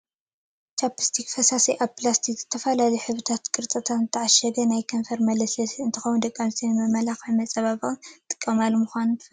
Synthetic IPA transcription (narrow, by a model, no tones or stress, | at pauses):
t͡ʃapɨ̥st̪ʰikfɐsasiʔaβplast̪ʰikzɨt̪ʰɐfɐlalɐħɨβɨt̪ʰat̪kʼɨɾt̪ʼɨt̪ʰat̪zɨt̪ʰːɐʕaʃɐd̪ɐnajkʰɐɱfɐɾmɐlɐslɐsɨnt̪ʰɨxɐwund̪ɐkʼːamsʰinmɐmɐlaxʕmɐt͡sʼɐβaβɨt̪ʼɨ̥kʼːɐmalmuxʷanu